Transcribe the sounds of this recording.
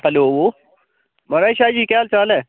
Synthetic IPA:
ɦəloːoː | mɐɾaːʃaːd͡ʒiːkaːlt͡ʃaːlẽː

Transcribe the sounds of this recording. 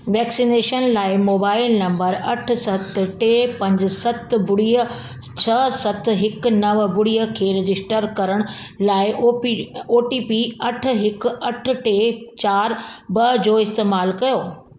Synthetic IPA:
ʋɛːksineːʃənlaːɪmoːbaːɪlnɐ̃mbəɾɐʈ̆ʰsɐt̪ʈeːpɐ̃ɲd͡ʑɪsɐt̪bʊɽiːə | t͡ɕʰɐsɐt̪ʰɦɪknɐʋbʊɽijəkʰeːɾɪd͡ʑɪsʈəɾkɐɾəɽ̃ʊlaːɪ | oːʈiːpiɐʈ̆ʰɦɪkɐʈ̆ʰʈeːt͡ɕaːɾbɐd͡ʑoːɪst̪eːmaːlkɐjoː

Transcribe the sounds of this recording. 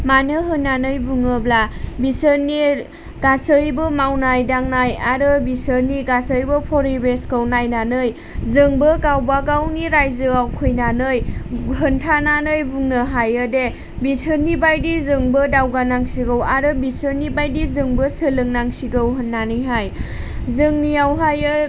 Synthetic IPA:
manɯɦɯnːanɯjbuŋɯblabisɯni | ɡ̥asɯjbɯmawnajdaŋnajaɾɯbisɯniɡasɯjbɯpʰɔɾibeskəwnajnanɯj | zɯŋbɯɡawbaɡawniɾajzɯawkʰɯjnanɯjɦɯntʰananɯjbuŋnɯɦajɯde | bisɯnːibajdizɯŋbɯdawɡanaŋsiɡɯwaɾɯbisɯnibajdizɯŋbɯsɯlɯŋnaŋsiɡɯwɦɯnːanɯjɦaj | zɯŋnijawɦajɯ

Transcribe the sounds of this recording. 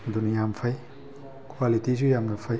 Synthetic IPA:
dunjampʰɐj | kʰwalitizujamnapʰɐj

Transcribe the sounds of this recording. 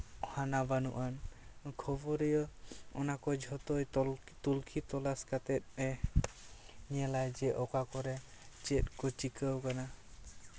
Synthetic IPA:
hanabanṵʔankʰɔbɔɾijɔɔnakɔd͡ʒʱɔt̪ɔj | t̪ulkʰit̪ɔlaskat̪ɛt̪̚ˀɛ | niɛlajd͡ʒɛʔɔkakɔɾɛd͡ʒet̪̚kɔt͡ʃikəwkana

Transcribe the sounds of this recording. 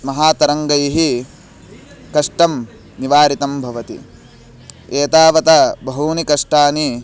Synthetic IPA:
mɐɦaːt̪ɐɾɐŋɡɐjiɦi | kɐʂʈɐm | niʋaːɾit̪ɐmbʱɐʋɐt̪ḭ | eːt̪aːʋɐt̪ɐbɐɦuːnikɐʂʈaːni

